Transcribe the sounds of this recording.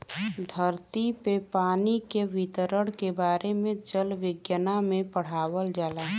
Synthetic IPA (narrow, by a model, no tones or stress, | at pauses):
d̪ʱəɾt̪ipepaːnikeʋɪt̪əɾəɽkebaːɾemẽd͡ʒəlʋɪɡjənamẽpəɽ̤aːwəld͡ʒaːlaː